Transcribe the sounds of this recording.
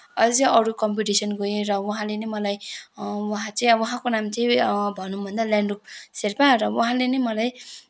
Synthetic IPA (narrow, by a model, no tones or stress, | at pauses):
ʌd͡ziʔʌɾukʌmpiʈisʌnɡojeɾʌwuɦãlenʌjmʌlajwʌɦãt͡sʌĩʌʌɦãkonamt͡saĩbʱʌnubʱʌnd̪alaɳrup̚serpaɾʌwuɦãlenʌjmʌlaj